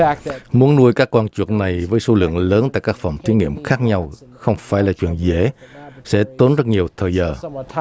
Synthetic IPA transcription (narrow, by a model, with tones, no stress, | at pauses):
mu˨˦ənnu˧əjkaː˦˥kːɔː˧nt͡ɕwḭ˨˩ət̚na˨˩jvəː˨˦jsu˧˦lɨ̰˧˨əŋləː˨˦nt̪a̰ː˧˨jkaː˦˥k̚fa˨˩wŋ͡mt̪ʰi˨˦nḭ˧˩əmxaː˦˥k̚ɲa˧w | xə˧wŋ͡mfaː˧˩jlaː˨˩t͡ɕwḭ˧˨ənzḛ˧˩sɛ̰˧˥t̪o˨˦nzə˦˥t̚ɲi˨˩əwt̪ʰəː˨˩jzəː˨˩